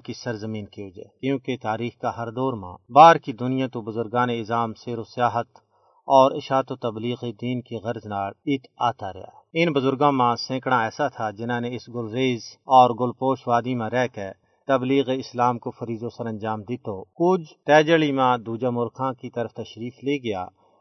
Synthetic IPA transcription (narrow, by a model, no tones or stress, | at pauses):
kisɐɾzəmiːnkiod͡ʒḛːkjũːket̪aːɾiːxkaɦɐɾd̪ɔːɾmã̰baːɾkid̪ʊnijãt̪obʊzʊɾɡaːneɪzaːmseːɾosɪjaːɦət̪ | ɔːɾɪʃaːt̪ot̪ɐbliːɣed̪iːnkiɣɐɾznaːɽɪt̪ʰaːt̪aɾɐ̰ja̰ːɪnbʊzʊɾɡõmãsẽːkɽaɛːsat̪ʰad͡ʒɪnãːneɪsɡʊlɾeːzɔːɾɡʊlpoːʃʋaːd̪imãɾɛɦke | t̪ɐbliːɣeɪslaːmkofɐɾiːzosɐɾɐ̃nd͡ʒaːmd̪ɪt̪okʊd͡ʒt̪ɛːd͡ʒəɭimãd̪uːd͡ʒamʊɾkʰãkit̪ɐɾəft̪ɐʃɾiːfleːɡɪja̰ː